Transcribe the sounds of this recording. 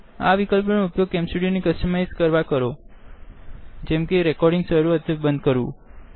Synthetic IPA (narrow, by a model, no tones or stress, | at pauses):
a̰ʋikəlpnoupjoɡ̚kɛ̃msuɽijonikəsʈəmajskəɾʋakəɾo | d͡ʒɛmkeɾɛkɔɾɖɪ̃ŋɡsəɾuət̪ʰəbənd̪̚kəɾṵ̃